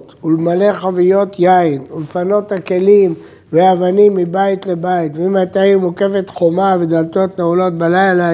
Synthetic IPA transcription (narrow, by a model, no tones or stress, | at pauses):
t̪ulmale̞χavijo̞t̪jainulfano̞t̪hake̞lim | veavanimːibait̪le̞bait̪veimat̪aimuke̞fet̪χo̞maved̪alt̪o̞t̪neulo̞t̪̚belajla